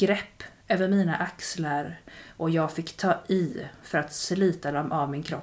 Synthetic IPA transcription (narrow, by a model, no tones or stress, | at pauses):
ɾɛpː | øːvəɾmiːnaʔakslaɾʔɔjɑːɡfɪkːt̪ʰɑːɪfœɾat̪slyːt̪ad̪ɔmʔavmɪnkʰɾɔ